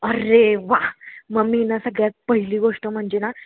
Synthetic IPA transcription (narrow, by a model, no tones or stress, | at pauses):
əɾeʋaɦməminasəɡɭjapəɦiliːʋəʂt̪om̤əɳd͡ʑena